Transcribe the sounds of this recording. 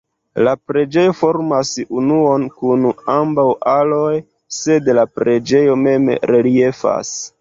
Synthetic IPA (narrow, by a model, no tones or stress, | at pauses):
lapɾe̞d͡ʒe̞jo̞fo̞ɾmasunuo̞nkunambawʔaloj | se̞dlapɾe̞d͡ʒe̞jo̞me̞mɾelie̞fa̰s